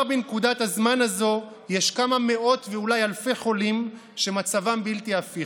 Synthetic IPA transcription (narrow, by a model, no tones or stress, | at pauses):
binkudathazmanazo̞ | jeʃkamame̞ʔo̞t̪veulajalfe̞χo̞lim | ʃemat͡savambiltiafi